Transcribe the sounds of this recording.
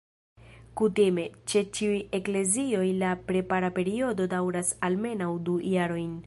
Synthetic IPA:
kutime̞t͡ʃe̞t͡ʃiuje̞kle̞zio̞jlapɾe̞paɾape̞ɾio̞do̞dawɾasalme̞nawdujaɾo̞jn

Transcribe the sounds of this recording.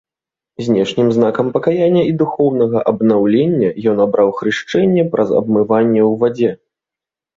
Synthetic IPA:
zʲnʲɛʂnʲimzn̪akɐmpɐkajanʲːɐid̪uxɔwnɐɣɐʔɐbnawlʲenʲːɐjɔnabɾawxɾɨʂt͡ʂɛnʲːɛpɾʔɐ̰zɐ̰bmɨvanʲːɛwvad͡zʲɛ

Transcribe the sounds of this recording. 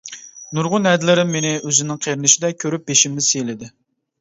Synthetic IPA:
nuɾʁʊnɛd̪ɪlɪɾɪmːenɪøzɪnɪŋqʰeɾɪnɪʃid̪ɛkʲʰøɾyp̚beʃimnɪsejlɪd̪ɪ

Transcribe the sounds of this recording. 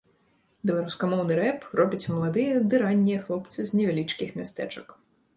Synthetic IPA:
bʲɛlˠaɾuskɐmɔwnɨɾɛprɔbʲɐt͡sʲmɐlˠad̪ɨjɐd̪ɨɾanʲːijɐxlˠɔpt̪sɨznʲɛvʲalʲit͡ʂkʲixmʲast̪ɛ̰t͡ʂɐk

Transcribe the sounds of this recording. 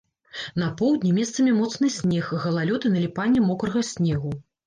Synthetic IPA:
nɐpɔwd̪ʲnʲimʲɛst̪sɐmʲɛmɔt̪snɨsʲnʲɛxɣɐlˠalʲɔt̪ɨnɐlʲipanʲːɛmɔkɾɐɣɐsʲnʲɛɣu

